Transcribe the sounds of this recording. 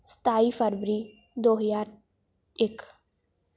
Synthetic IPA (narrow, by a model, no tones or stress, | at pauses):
st̪aifəɾbɾiː | d̪oɦəzaɾ | ek